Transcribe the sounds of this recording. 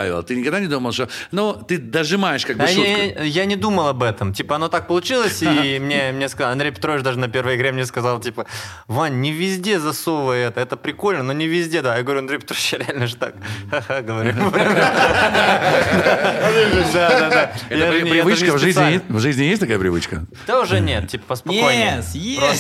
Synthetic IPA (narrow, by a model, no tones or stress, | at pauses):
a̰a̰lˠt̪ɨnʲɪkɐɡd̪anʲɪd̪uməlˠʂt̪onot̪ɨd̪əʐɨmajɪʂkaɡ̚ɨjanʲɪd̪uməlˠɐbɛt̪əmtʲipəɐno̞t̪ak̚pəlˠʊt͡ɕilˠəsʲimnʲemnʲeskɐzɑlˠɐnd̪ɾʲejpʲɪ̥t̪ɾovʲɪt͡ɕd̪aʐɨnəpʲe̞rvəjɪɡɾʲemnʲeskɐzalˠtʲipə | vanʲnʲːɪvʲɪzʲdʲe̞zɐso̞vəjɛt̪əɛt̪əpɾʲɪko̞lʲnənonʲɪvʲɪzʲdʲed̪ajaɡəvɐɾʲuɐnd̪ɾʲejpʲɪt̪ɾovɪt͡ɕjaɾʲɪalʲnəʐɨt̪a̰k̚xaxaɡəvɐɾʲuɾʲ | d̪ | d̪add̪ad̪aɛjanʲjjvkvʐɨzʲɪjevʐɨzʲnʲɪjes̬ʲt̪ʲɐkajəpɾʲɪvɨt͡ɕkə | d̪aʊʐɛnʲet̪̚tʲːipə̥pəspɐaje